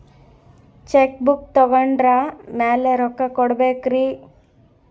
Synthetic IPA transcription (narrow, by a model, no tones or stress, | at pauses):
t͡ʃek̚buk̚t̪ɔɡɐɳɖɾamaːleɾɔkːakɔɽbeːkɾi